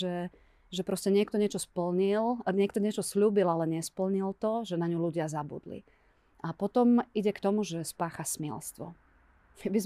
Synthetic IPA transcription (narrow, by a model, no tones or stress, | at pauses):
ɛ | ʒɛpɾɔscɛɲɪɛkt̪ɔɲɪɛt͡ʃɔspl̩ɲilɲɪɛk̚t̪ɔɲɪɛt͡ʃɔsʎuːbilalɛɲɪɛspl̩ɲilt̪ɔʒɛnaɲuluɟɪazabṵd̪lḭ | ʔapɔt̪ɔmiɟɛkt̪ɔmuʒɛspaːxasmɪɛ̰lst̪ʋɔ̰ | kɛbiz